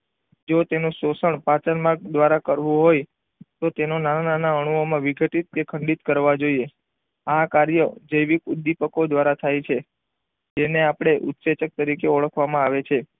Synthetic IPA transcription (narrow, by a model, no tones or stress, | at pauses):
d͡ʒot̪enũsosəɳpat͡ʃənmaɾk̚d̪ʋaɾakəɾʋũɦoj | t̪ot̪enonanananaəɽ̃uomãʋiɡʱəʈit̪̚kekʰəɳɖit̪kəɾʋad͡ʒoie | akaɾjəd͡ʒəjʋikud̪ipəkod̪ʋaɾat̪ʰajt͡ʃʰe | d͡ʒeneapɽ̃eʔʊt̪set͡ʃək̚t̪əɾikeoɭəkʰʋamãaʋet͡ʃʰe